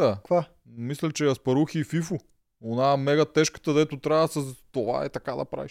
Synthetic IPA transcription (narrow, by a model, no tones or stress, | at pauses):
akva | mislɛt͡ʃɛjaspɐɾuxififʊ | onaɛmɛɡɐt̪ɛʃkə̥t̪əd̪ɛt̪ʊt̪ɾaɐsɐst̪ova̰ɛ̰t̪ɐkad̪ɐ̰pɾa̰viʃ